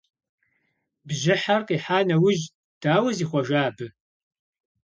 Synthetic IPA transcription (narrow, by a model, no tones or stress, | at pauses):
bʒɪħarqiːħaːnɐwʊʒ | d̥aːwɐziːχʷɔʒaːbɨ